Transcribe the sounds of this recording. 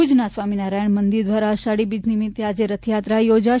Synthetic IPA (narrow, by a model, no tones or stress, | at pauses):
ud͡ʒnasʋaminaɾajəɳmənd̪iɾd̪ʋaɾaəʃaɽibid͡ʒnimit̪ːead͡ʒeɾət̪ʰjat̪ɾajod͡ʒa